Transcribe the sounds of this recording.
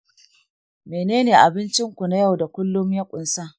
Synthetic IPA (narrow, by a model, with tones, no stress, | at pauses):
meː˨neː˦neː˨ʔa˨bɪ˦nt͡ʃɪ˦ŋkʷu˨na˦ja˦˨wda˨kʷʊ˦lːʊ˦mjɐ˦kʷʼʊ˨nsaː˦